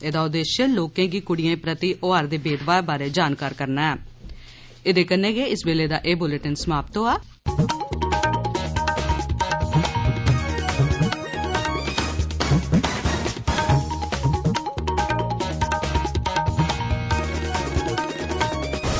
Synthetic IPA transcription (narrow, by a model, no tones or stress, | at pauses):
eːd̪aːʊd̪eːʃəloːkẽːɡiːkʊɽɪjẽːpɾət̪iʔoːaːɾd̪eːbeːʈʋaːɾbaːɾeːd͡ʒaːnkaːɾkəɾnaːɛː | ɪd̪eːkənẽːɡeːɪsbeːleːd̪a̰ːʔeːbʊleʈənsəmaːpt̪õːaː